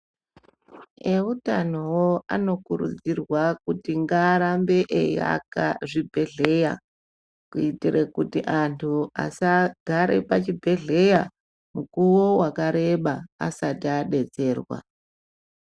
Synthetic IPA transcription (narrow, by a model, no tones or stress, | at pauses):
eutanowoa̰no̞kuɾṵd͡zirwakutiŋɡaːɾambe̞ʔeja̰ka̰ʐibʱe̞ɮe̞ja̰ | kuitirekutiʔantʰua̰saɡʱaɾe̞pat͡ʃibʱe̞ɮe̞ja | mukuwo̞wakaɾe̞ɓa̰ːsatiaɗe̞d͡ze̞ːrwa̰